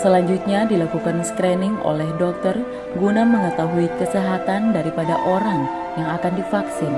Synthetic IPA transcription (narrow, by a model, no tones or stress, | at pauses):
səlaɲd͡ʒut̪̚ɲadilakukanskɾɛnɪŋo̰lɛhdɔk̚t̪ɔr | ɡunaməŋət̪aɦuikəsəɦat̪andaɾipadaʔoɾaŋ | jaŋakandifaksɪn